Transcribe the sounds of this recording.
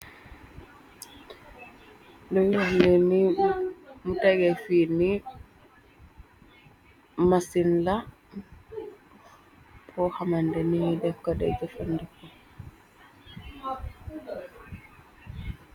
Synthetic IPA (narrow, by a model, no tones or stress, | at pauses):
dɔwilandɛni | mutaɡɛfini | masinla | pʰɔhamandɛnihdɛkːɔdɛ̰d͡ʒɔfandɛkɔ